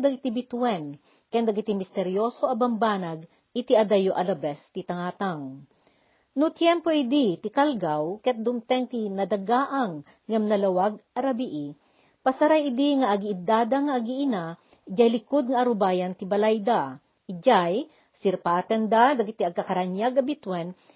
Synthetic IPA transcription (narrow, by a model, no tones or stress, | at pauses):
d̪ɐɡɪt̪ibɪt̪wɛn | kɛnd̪ɐɡɪt̪imɪst̪ɛɾjoːsoʔɐbɐmbaːnɐɡ̚ | ɪt̪iʔɐd̪ɐjoʔɐlɐbɛst̪it̪ɐŋaːt̪aŋ | nʊt̪jɛmpoʔid̪it̪ɪkalɡawkɐɐt̪̚d̪ʊmt̪ɛŋt̪inɐd̪ɐɡaːʔɐŋː | ɐmnɐlɐwaɡ̚ʔɐɾɐbiʔi | pɐsɐɾajɪd̪iŋɐʔɐɡiʔɪd̪aːd̪ɐŋɐːɡiʔɪna | d͡ʒajlɪkod̪̚ŋɐʔɐɾʊbaːjɐnt̪ɪbɐlajd̪a | ɪd͡ʒaj | sɪɾpaːt̪ɛnd̪ad̪ɐɡɪt̪iɐɡ̚kɐkɐɾaɲjaɡɐbit̪wɛn